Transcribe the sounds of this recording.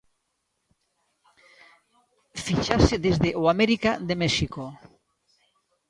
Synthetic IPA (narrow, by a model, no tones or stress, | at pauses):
fit͡ʃaseðezðeʔoameɾikaðemeʃiko